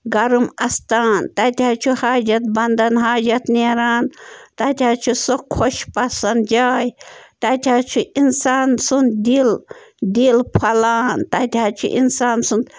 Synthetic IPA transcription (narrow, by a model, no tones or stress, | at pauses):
ɡɐɾmɐst̪aːnt̪ɐt̪ʲaːt͡ʃʰuhaːd͡ʒɐt̪̚bɐnd̪ɐnɦaːd͡ʒɐt̪neɾaːnt̪ɐt̪ʲaːt͡ʃʰusokʰoʃpɐsɐnd̪d͡ʒaːjt̪ɐt̪ʲʰaːt͡ʃʰuinsaːnsund̪ild̪ilpʰɐlaːnt̪ɐt̪ʲaːt͡ʃʰṵʔḭnsaːnsund̪